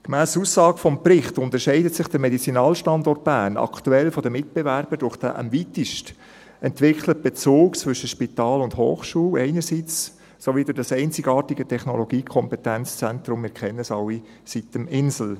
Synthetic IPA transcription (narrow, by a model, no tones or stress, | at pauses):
kmæːsusːɑːɡəfɔmprɪχtʊnt̪əɾʃɛɪdətsɪχd̥əɾmɛdit͡sinɑːlʃtɑndɔrt̚b̥æːnɑ̰kʰtuɛlfɔdəmɪt̚b̥ɛvæɾb̥əd̥ʊχd̥æ̰ʔə̰mvitɪʃt | ɛntʋɪkʰlət̚b̥et͡soːkt͡svʏʃəʃpitɑːlʊndho̰ːχʃuːlɛɪnəɾsit͡s | soʋidʊɾdɑsɛɪnt͡sɪɡɑːtiɡətʰɛχnɔloɡiːkʰɔmpɛtænt͡st͡sɛnt̪ɾʊmːɪɾkʰχɛnːəəsɑwːi | sitəmɪnsl̩